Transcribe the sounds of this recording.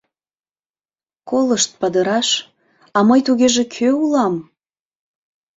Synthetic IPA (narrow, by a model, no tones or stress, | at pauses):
koləʃt̪̚pɑd̪əɾɑʃ | ɑməjt̪uɣeʒekʰøulɑm